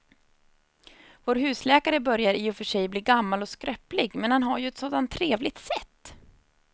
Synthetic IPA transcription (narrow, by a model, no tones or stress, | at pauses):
voːɾɦʉ̟ːslɛːkaɾəbœɾjaɾiːɔfœʂɛjbliːɾɡamːalɔskɾœplɪɡmɛnhanɦaɾjɵɛt̪soːd̪ant̪ʰːɾeːvlɪt̪sɛt̪ː